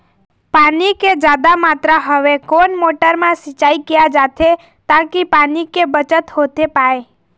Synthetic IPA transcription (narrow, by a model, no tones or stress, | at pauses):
paniked͡ʒad̪amat̪ɾaɦəʋekonmoʈəɾmãsit͡ʃaikijad͡ʒat̪ʰe | t̪akipanikebət͡ʃət̪ɦot̪epae